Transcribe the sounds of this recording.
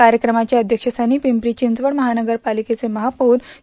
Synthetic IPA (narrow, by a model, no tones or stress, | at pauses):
aɾjəkɾəmat͡ɕjaəd̪ʱjəkʂəsaniːpimpɾit͡ɕind͡zʋəɽməɦanəɡəɾpaliket͡seməɦapouːn